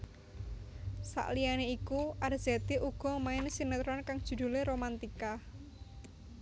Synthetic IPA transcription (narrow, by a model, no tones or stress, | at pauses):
sa̰ʔlijaneikuʔarz̥ɛt̪eʔuɡ̥ɔ̤maɪnsinət̪ɾɔnkaŋd̥ʒ̥ṳd̪̥ṳleɾomant̪ika